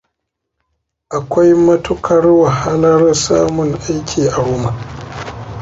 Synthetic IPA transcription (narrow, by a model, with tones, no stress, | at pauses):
ʔa˨kʷa˦jmɐ˦tʊ˦kʰɐ˨rwa˨ɦa˦lɐ˦rsaː˦mʊ˨ŋʔa˦jkʲiː˨ʔa˨wʊ˦ma˨